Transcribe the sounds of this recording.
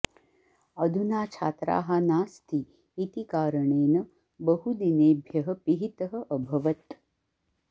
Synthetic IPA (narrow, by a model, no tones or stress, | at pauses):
ɐd̪ʱunaːt͡ʃʰa̰ːt̪ɾa̰ːɦanaːst̪ʰiː | t̪ikaːɾəɳeːnə | bəɦud̪ineːbʱjɐɦəpiɦit̪əɦə̆ʔəbʱɐʋət̪